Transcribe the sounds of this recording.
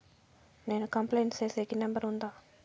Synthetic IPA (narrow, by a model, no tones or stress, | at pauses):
ne̞ːnukɐmplejɳʈst͡ʃeːsekinɛmbɐɾund̪aː